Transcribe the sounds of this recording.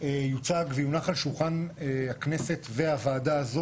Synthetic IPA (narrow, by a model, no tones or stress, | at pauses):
ejut͡saɡvijunaχalʃulχaneakne̞se̞tve̞avaːdaːzo̞